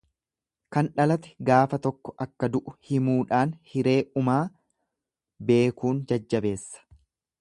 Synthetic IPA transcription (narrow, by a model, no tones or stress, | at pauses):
kɐnᶑɐlɐt̪ɛ̥ɡaːfɐt̪ɔkːɔ̥ʔɐkːɐd̪ʊʔʊhɪmuːᶑaːnhɪɾe̞ːʔʊmaː | be̞ːkuːnd͡ʒɐd͡ʒːɐbe̞ːsːɐ̥